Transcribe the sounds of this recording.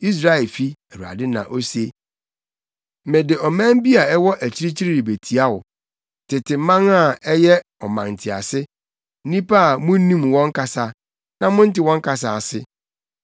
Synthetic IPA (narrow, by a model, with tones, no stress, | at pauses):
i˦s̬ɾa˦ɛ˨lfi˦æ˨wu˨ɾa̰˨dɪ˦nã̰˨ʔo˦se˦˨ | mɪ̃˨dɪ˨ɔ˨mæ̃˦m˦bi˦a˨ɛ˦wɔ˦ʔæ˨t͡ɕʰi˦ɾi˦t͡ɕi˦ɾi˦ɾi˨be˨tʰi˨a˦wʊ˨ | tʰɪ˨tɪ˨mã˦ŋa˨ɛ˦jɛ˦ɔ˨mã˨ŋn̩˨tʰɪ˨a̰˨sɪ˦ | nĩ˦pa˦a˨mʊ̃˦nĩ˦mwɔ̃˦ŋ˦kʰa˨sa˦ | nã˦mʊ̃˦n̩˦tɪ˨˦wɔ̃˦ŋ˦ka˨s̬a˨a˨sɪ˦